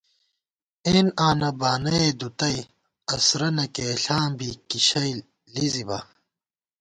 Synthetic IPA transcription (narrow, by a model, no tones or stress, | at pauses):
eːnaːnɐbaːnɐed̪ut̪ɐi | ɐsɾɐnɐkeːɬaːmbikiɕɐj | lizibɐ̰